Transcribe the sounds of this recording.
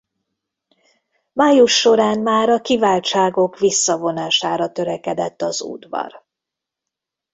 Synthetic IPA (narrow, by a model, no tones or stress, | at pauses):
maːjuʃːo̞ɾaːnmaːɾɒkivaːlt͡ʃaːɡo̞kʋisːɒvo̞naːʃaːɾɒt̪ø̞ɾɛkɛd̪ɛt̪ːɒzṵːd̪vɒ̰r